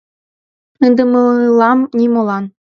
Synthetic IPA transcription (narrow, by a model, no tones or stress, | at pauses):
ənd̪ɤ̆mɤllˠɑmnʲimolˠɑn